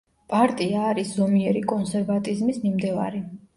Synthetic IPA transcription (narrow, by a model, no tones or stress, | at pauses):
pʼaɾt̪ʼiaːɾisz̥ɔmiɛɾikʼɔnsɛɾvat̪ʼizmisnimd̪ɛva̰ɾi